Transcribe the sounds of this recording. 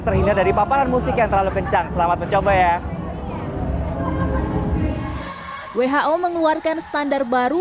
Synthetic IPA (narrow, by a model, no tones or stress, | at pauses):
t̪ərhindadaɾipapaɾanmusɪkjaŋt̪ərlalukəɲt͡ʃaŋsəlamat̪̚məɲt͡ʃobaja | weɦaʔoməŋluarkansə̥t̪andar̚baɾu